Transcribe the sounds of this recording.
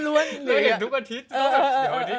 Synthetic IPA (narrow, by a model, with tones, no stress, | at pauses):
lu˦˥ɐne˧˥˨t̪ʰu˦˥k̚a˨˧˩t̪ʰi˦˥t̪̚ːa˨˩t̪ʰi˦